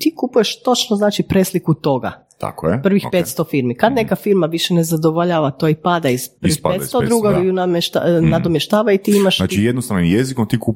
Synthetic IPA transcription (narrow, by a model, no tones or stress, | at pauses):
t̪ikupuje̞ʃt̪o̞t͡ʃnoznaːt͡ʃipɾeːslikut̪o̞ɡa̰ | t̪a̰kjepr̩ʋixpet̪st̪o̞fiɾmikad̪nekafiɾmaʋiʃene̞zad̪oʋoʎaːʋat̪oipad̪aizpr̩ʋixpaet̪st̪od̪ɾuːɡanameʃt̪a̰nad̪omjeʃt̪aːʋait̪iimaʃaːt̪t͡ʃijjed̪nost̪aʋnimjezikomt̪iku